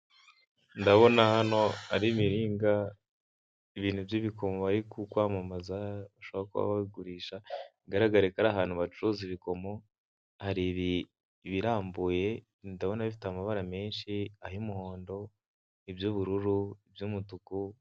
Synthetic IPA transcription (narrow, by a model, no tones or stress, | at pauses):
ndaβo̞nahano̞aɾimiɾiːŋɡa | iβiːn̤̥ubjiβikʰo̞moβaɾikukwaːmamazauʃoβakuβa̰βaiɡuɾiːʃaiɡaɾaɡaɾekaɾaɦaːn̥huβat͡ʃuɾuziβiko̞mo̞ | haɾiβi | βiɾaːmbuje̞ | ndaβo̞naβifi̥tamaβaɾame̞ːnʃiahiumuho̞ːndo̞ | ibjuβuɾuɾuibjumutuku